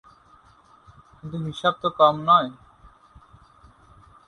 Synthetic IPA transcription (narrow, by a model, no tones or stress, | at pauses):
kint̪uɦiʃab̚t̪okɔmnɔe